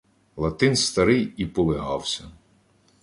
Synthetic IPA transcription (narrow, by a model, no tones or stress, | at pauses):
lˠɐt̪ɪnst̪ɐɾɪjipɔlˠɪɦɑwsʲɐ